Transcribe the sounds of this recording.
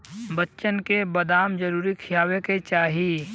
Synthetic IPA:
bətːʃənkebɐd̪aːmd͡ʒəɾuːɾikʰɪjaːweket͡ʃaːɦiː

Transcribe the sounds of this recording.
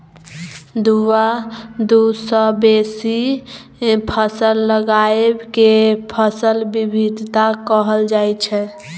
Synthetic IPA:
d̪uwad̪usəbesi | pʰəsəlːəɡaebkepʰəsəlbibʱid̪ʱt̪akəɦəld͡ʒajt͡ʃʰɛ

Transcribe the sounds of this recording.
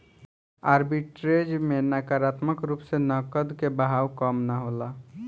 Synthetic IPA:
aɾbiʈɾed͡ʒmenakaɾat̪məkɾupsenəkəd̪kebəɦawkəmnaɦola

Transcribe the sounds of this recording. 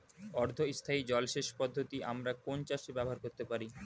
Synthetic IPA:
ɔɾd̪ʱoist̪ʰaid͡ʑɔlʃeʃpɔd̪ʱːot̪iʔamɾakont͡ɕaʃebɛbʱoɦaɾkoɾt̪epaɾi

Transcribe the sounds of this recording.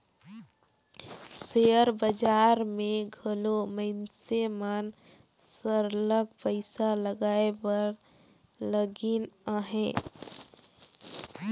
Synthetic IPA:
sejəɾbəd͡ʒaːɾmẽɡʱəloməɪnsemən | səɾləkpəɪsaləɡaːebəɾ | ləɡinaɦɛ̃

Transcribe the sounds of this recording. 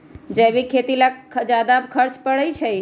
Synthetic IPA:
d͡ʒəjbikʰet̪ilakʰd͡ʒad̪abkʰəɾt͡ʃpəɽəjt͡ʃʰəj

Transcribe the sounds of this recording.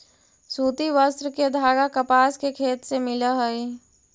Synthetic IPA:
suːt̪iʋəst̪ɾked̪ʱaːɡakɐpaːskekʰeːt̪semɪlaɦəi

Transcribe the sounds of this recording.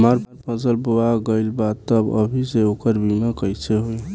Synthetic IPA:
məɾpʰəɾpʰəzəlboaɡəlbat̪t̪ːəbə̰bʱiseokəɾbiməkəjt͡ʃʰeɦoj

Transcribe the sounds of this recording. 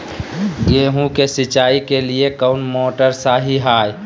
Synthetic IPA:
ɡeːɦũkesɪt͡ʃaːikeliekəʊnmoːʈəɾsaːɦiɦaːj

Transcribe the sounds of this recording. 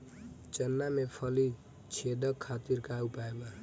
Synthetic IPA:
t͡ʃʌnːamepʰʌli | t͡ʃʰed̪ʌkʰːat̪iɾkaupaeba

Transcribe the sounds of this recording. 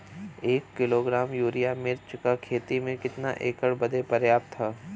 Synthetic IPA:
eːkːɪloːɡɾaːmjuːɾijamɪɾt͡ʃkakʰeːt̪imẽkɪt̪naʔeːkəɽbɐd̪epɐɾjaːp̚t̪ʰːaː

